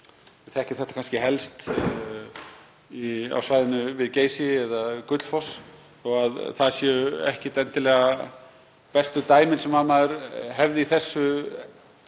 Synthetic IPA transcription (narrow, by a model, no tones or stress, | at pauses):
θɛhcɪθɛht̪ḁkʰanscɪhɛlst̪ | ia̰wsvaːjðɪnʏvɪðceːjsɪɛðakʏt̪l̥fɔs | ɔaðθaðsjɛːʏɛ̰hcɪt̪ɛnt̪ɪlɛːɣa | pɛst̪ʏt̪aːjmɪnsɛmːaðmaðʏɾɦɛvðɪiθɛsːʏ